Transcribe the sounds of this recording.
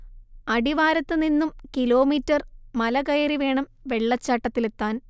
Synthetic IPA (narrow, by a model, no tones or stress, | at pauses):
ɐɽiʋaːɾɐt̪ːɨninːumkilo̞ːmiːtːɐrmɐlɐkɐjɐɾiʋe̞ːɳɐmʋe̞ɭːɐt͡ɕːaʈːɐt̪ːile̞t̪ːaːn